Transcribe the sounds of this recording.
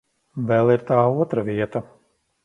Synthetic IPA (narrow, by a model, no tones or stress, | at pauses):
vɛlˠiɾt̪aːuɔt̪ɾaviɛt̪ɐ